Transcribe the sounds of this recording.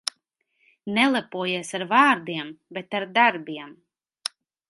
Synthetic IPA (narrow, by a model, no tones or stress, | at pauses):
nɛlˠɛpuɔjiɛsaɾvaːɾd̪iɛmbet̪aɾd̪aɾbiɛm